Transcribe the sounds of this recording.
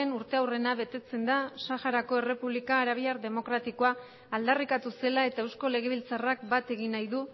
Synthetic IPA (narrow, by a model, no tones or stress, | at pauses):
enuɾt̪e̞awre̞naβe̞t̪e̞t͡se̞nd̪asaxaɾako̞e̞re̞puβlikaːɾaβ̞iaɾðe̞mo̞kɾat̪iko̞aː | ld̪arikat̪use̞lae̞t̪ae̞wsko̞le̞ɣ̞e̞β̞ilt͡sarak̚bat̪e̞ɣinajðu